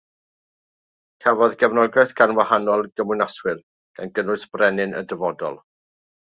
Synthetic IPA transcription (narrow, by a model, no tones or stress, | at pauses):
kʰɛvɔðɡɛvnɔɡɛθɡ̥anwahanɔlˠɡəmwɨnaswɪr | ɡ̥anɡənʊɨsb̥rɛnɪnʔə̰dəvɔdɔ̰lˠ